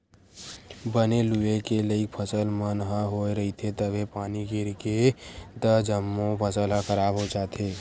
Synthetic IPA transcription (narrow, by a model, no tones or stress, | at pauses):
bəneluekeləipʰəsəlmənɦə̃ɦoːeɾəɦit̪ʰet̪əbʱepaːniɡɪɾked̪əd͡ʒəmːõpʰəsəlɦə̃kəɾaːbɦod͡ʒaːt̪ʰeː